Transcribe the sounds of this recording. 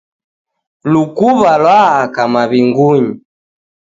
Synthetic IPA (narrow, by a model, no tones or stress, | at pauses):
lukuβalwaakamaβiŋɡuɲi